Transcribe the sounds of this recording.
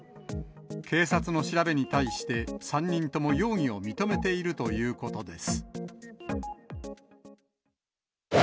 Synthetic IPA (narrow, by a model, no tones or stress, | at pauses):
kʰe̞ːsat͡sɨno̞ɕiɾabe̞ɲ̟it̪aiɕi̥t̪e̞sãɲ̟ʲːĩnt̪o̞mo̞jo̞ːɲ̟ĩo̞mʲit̪o̞me̞t̪e̞iɾɯ̟t̪o̞jɯːko̞t̪o̞d̪e̞sɨ̥